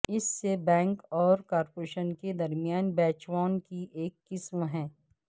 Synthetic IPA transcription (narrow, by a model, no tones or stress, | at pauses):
ɪsːebɛ̃ːŋkɔːɾkaːɾpoɾeːʃənked̪ɐɾmijaːnbɛːt͡ʃʋaːnkiʔeːkːɪsmɦɛ̃ː